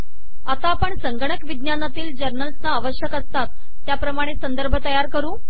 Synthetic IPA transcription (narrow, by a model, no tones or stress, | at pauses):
at̪aːpəɳsəŋɡəɳ̃əkʋid̪njanat̪iːld͡ʑəɾnəlsnaːʋəɕjəkəst̪at̪ː | japɾəmaɽ̃esənd̪əɾbʱət̪əjaɾkəɾuː